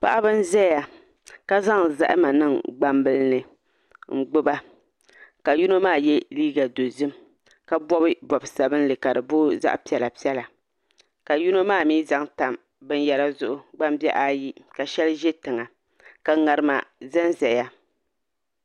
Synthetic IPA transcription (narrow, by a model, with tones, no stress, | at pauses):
pa̰˦ʔa˦bɨ˦n˦zɛ˦ja˨ | ka˦za˦ŋza̰˦ʔɪ̰˦ma˨nɨ˦ŋɡ͡ba˦mbɨ˦lnɨ˨ | ŋ̩˦ɡ͡bʊ˦ba˦ | ka˨ju˦no˦maː˦˨jɛ˦liː˦ɡa˨do˨zɨ˦m | ka˦bɔ˦bɨ˦bɔ˨bsa˨bɨ˦n˦lɨ˨ka˨dɨ˨boː˦za̰˦ʔpi˦ɛ˨la˨pi˦ɛ˦la˨ | ka˨ju˦no˦maː˦˨miː˦za˦ŋta˨m | bɨ˦n˦jɛ˨la˦zʊ˦ʔʊ˦ɡ͡ba˦mbɛ˦ʔa˦ji˦ka˨ʃɛ˦lɨ˦ʒɛ˦tɨ˨ŋa˨ | ka˨ŋa˨ɾɨ˦ma̰˨zɛ˦n˦zɛ˨ja˦